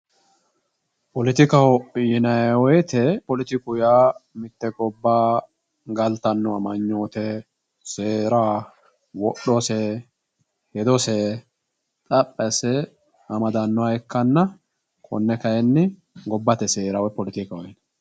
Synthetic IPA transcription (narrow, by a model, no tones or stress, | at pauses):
pɔlɪt̪ɪkɐwjɪnɐjwɔjt̪ʰɛpɔlɪt̪ɪkʊjaːmɪt̪ːɛkʼɔbːaː | ɡɐlt̪ɐnːɔɐmɐɲːoːt̪ɛ | seːɾaː | wɔɗːɔsɛ | hɛd̪ɔsɛ | t̪ʼɐpʼːɛsɛ | ɐmɐd̪ɐnːɔaɛkːɐnːɐ | kʰʼɔ̰nːɛkɐjɛnːɪ | ɡɔbːɐt̪ɛseːɾawɔjpɔlɪt̪ɪkɐwɔjn